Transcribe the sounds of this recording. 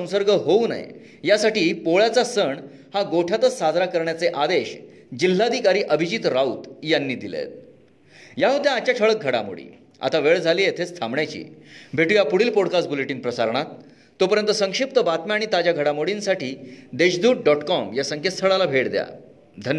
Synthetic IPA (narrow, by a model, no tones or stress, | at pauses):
ə̃w̃səɾɡəɦouna̰j̰ | jasaʈiːpoɭjat͡sasəɳ | haɡoʈʰat̪ət͡ssad͡z̪ʱɾakəɾɳjat͡seʔad̪eɕ | d͡ʑil̤ːad̪ʱikaɾiːʔəbʱid͡ʑit̪ɾaut̪janːiːd̪ilḛt̪̚ | jaɦut̪jãːt͡ɕaʈʰəɭək̚ɡʱəɽa̰mo̰ɽḭː | a̰t̪aʋeɭd͡zʱaliːjet̪ʰet͡st̪ʰamɳjat͡ɕḭːbʱeʈuːjapuɽ̤iːlpɔɽkasʈ̚buleʈiːnpɾəsaɾɳ̃at̪ː | opəɾjənt̪əsəŋkʂip̚t̪əbat̪mjaaɽ̃it̪ad͡ʑjaɡʱəɽamoɽiːnsaʈiːd̪eɕd̪uːʈ̚ɖɔʈkɔmjasəŋkʰet̪st̪ʰəɭalabʱeʈd̪ja̰ | d̪ʱənj